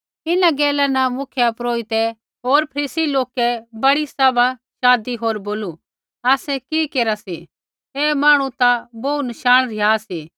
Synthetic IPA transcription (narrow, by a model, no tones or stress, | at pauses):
ɪnãɡɛːlanɐmʊkʰjapɾoːit̪ɛ | ɦoːɾpʰɐɾiːsiloːkɛbɐɽisɐʋaʃaːd̪iɦoːɾboːlu | aːsɛkikeːɾasi | eːmaːɽ̃ũt̪aboːunɐʃaːɽ̃ɾɪjaːsiː